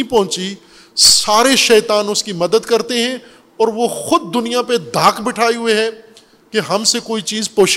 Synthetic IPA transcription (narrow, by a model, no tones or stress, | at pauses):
ipɐɦʊ̃t͡ʃi | saːɾeʃɛːt̪aːnʊskimɐd̪əd̪kɐɾt̪eɦɛ̃ | ɔːɾʋoxʊd̪̚ːʊnijaped̪ʱaːkbɪʈʰaːiɦʊeɦɛː | keɦɐmsekoːit͡ʃiːzpoːʃ